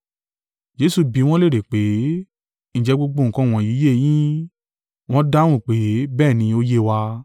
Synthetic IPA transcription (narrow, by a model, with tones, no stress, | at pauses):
d͡ʒe˨˦su˧bi˨˧w̃ɔ̃˦le˦ɾe˨k͡pe˨˦ | ñ̩˨d͡ʒɛ˨˧˦ɡ͡bo˧ɡ͡bõ˧˨ŋ̩˨kã˧˦˨w̃ɔ̃˨ji˨˦je˦˨j̃ĩ˦ | w̃ɔ̃˦da˦w̃ũ˦˨k͡pe˨˦bɛː˦˨nĩ˧˦o˦je˦wa˧